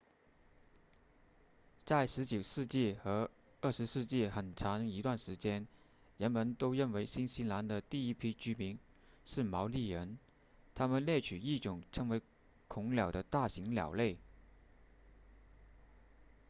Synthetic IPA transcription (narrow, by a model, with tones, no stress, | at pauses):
t͡sa˥˩ɪʂɻ̩˧˥t͡ɕo˨˩ʊʂɻ̩˥˧t͡ɕi˥˩xɤ˧˥ | ə˥˩ʂɻ̩˧˥ʂɻ̩˥˧t͡ɕi˥˩xə˨˩nʈ͡ʂʰɑ˧˥ŋi˧˥t̪wa˥˩nʂɻ̩˧˥t͡ɕjɛ˥n | ɻə˧˥nmə˧˥nt̪o˥ʊɻə˥˩nwe˧˥ɪɕi˥nɕi˥nla˧˥nd̪ə˧t̪i˥˩i˥˩pʰi˥t͡ɕy˥mi˧˥n | ʂɻ̩˥˩mɑ˧˥ʊli˥˩ɻə˧˥n | t̪ʰa˥mə˨nljɛ˥˩t͡ɕʰy˨˩i˥˩ʈ͡ʂʊ˨˩˦ŋʈ͡ʂʰɤ˧˥ŋwe˧˥ɪ | kʰʊ˧˥ŋljɑ˨˩ʊd̪ə˦t̪a˥˩ɕi˧˥ŋljɑ̰˨˩ʊle˥˩ɪ